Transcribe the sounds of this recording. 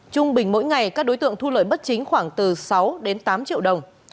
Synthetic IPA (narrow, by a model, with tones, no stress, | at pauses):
t͡ɕʊ˧ŋ͡mɓï˨˩ŋ̟mo̰˧˥jŋa˨˩jkaː˦˥k̚ɗo˨˦jt̪ɨ̰˧˨əŋt̪ʰu˧lə̰ː˧˨jɓə˦˥t̚t͡ɕï˨˦ŋ̟xwaː˧˩ŋt̪ɨ˨˩sa˨˦wɗe˨˦nt̪aː˨˦mt͡ɕḭ˧˨wɗə˨˩wŋ͡m